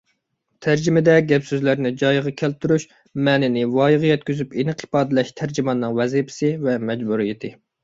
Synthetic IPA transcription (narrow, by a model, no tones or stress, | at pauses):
t̪ʰæɾd͡ʒimɪd̪ɛɡʲɛpsøzlæɾnɪd͡ʒɑjʁɑkʲʰælt̪ʰyɾuʃ | mɛːnɪnɪwɑːjɨʁɨjɛt̪̚kʲyzypinqʰɨ̥pɑːd̪ɨlɛʃt̪ʰæɾd͡ʒimɑnːɨŋwɛzipʰɪ̥sɪvɛmɛd͡ʒbuɾijɪt̪ʰɪ